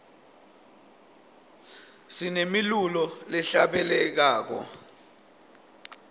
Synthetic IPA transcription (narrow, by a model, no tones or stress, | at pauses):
sinemilulɔlɛɬaɓɛlɛk̬aːk̬ɔ̰